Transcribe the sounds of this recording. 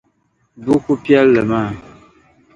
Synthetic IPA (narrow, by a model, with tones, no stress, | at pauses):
bu˦ku˦pjɛ˦lːə˨ma˦˨